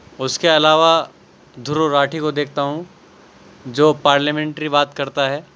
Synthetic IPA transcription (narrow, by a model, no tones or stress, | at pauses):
ʊskeɐlaːʋa | d̪ʱʊɾoɾaːʈʰikod̪eːkʰt̪aɦũ | d͡ʒoːpaːɾləmẽːɳʈɾibaːt̪kɐɾt̪aɦɛː